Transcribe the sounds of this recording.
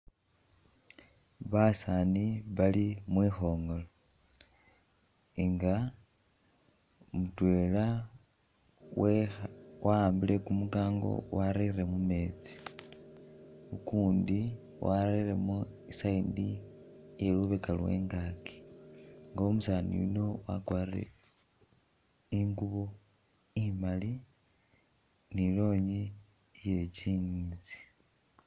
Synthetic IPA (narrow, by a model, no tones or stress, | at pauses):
βasaːniβalimwiːxo̞ːŋɡo̞lo | iŋɡa | omutwe̞ːla | wewʔaaːmbile̞kumukaːŋɡo̞̰waɾire̞mume̞ːt͡si̥ | ukuːndi | wʔaɾire̞muisaindi | jeluβekalwe̞̰ːŋɡaki̥ | ŋɡaomusaːnḭjṵno̞wa̰kwaːrḛ | iŋɡuβo | imali | nilo̞ːɲi | je̞ciɲizi̥